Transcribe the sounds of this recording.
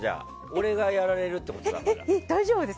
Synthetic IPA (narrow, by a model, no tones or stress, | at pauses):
d͡ʑa̰ː | o̞ɾe̞ɡajaɾaɾe̞ɾɯ̟t̪ːe̞ko̞t̪eaeid̪aiʑoːbɯd̪es